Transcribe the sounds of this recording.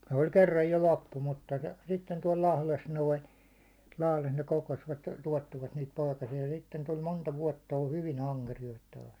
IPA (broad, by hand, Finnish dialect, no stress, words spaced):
se̥ olʲ kerːɑj jo lopːu mutːɑ sitːen tuɒl lɑhles noin̞ lɑhles ne kokosʋɑt tuɒtːiʋɑt niːt poikɑsiɑ sitːen tul montɑ ʋuɒtːɑ ol hyʋin ɑŋkerijoit tɑːs